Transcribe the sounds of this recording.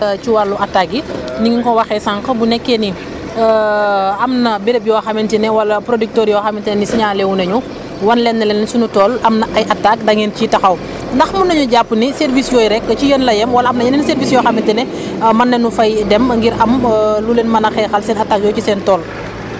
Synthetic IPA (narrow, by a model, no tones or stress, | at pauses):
ciwɐɾluʔɐtːaɡiniŋiŋkɔwɐxɛsaŋkɐbunɛkːɛni | ɐmnɐbiɾɛp̚jɔxɐmintinɛwɐlɐpɾodyk̚tɔːɾjɔːxɐmintɛnɛnisiɲaːlɛwunɐɲu | wɐnlɛnːɐlɛnsunutɔːlɐmnɐʔɐjʔɐtːak̚dɐŋɛncitɐxɐw | ndɐxmɐnɐɲuɟapːunisɛrvisjɔːjɾɛkːəcijənlɐjɛmwɐlɐɐmnɐjɐnɛnsɛrviːsjɔːxɐmintinɛ | mɐnːɐnufɐjdɛmɐŋɡiɾɐmlulenmɐnɐxɛːxɐlsɛːnɐtːak̚jɔːcisɛːntɔːl